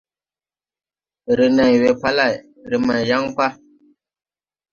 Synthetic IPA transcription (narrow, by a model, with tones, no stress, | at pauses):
ɾi˨na˨jwe˨pa˦la˦˨j | ɾɨ˨ma˨jja˦ŋpa˦